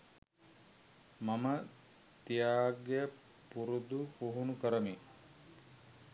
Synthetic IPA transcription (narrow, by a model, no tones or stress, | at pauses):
mamə | t̪ijaːɡeə | puɾud̪ukuɦunukəɾəmi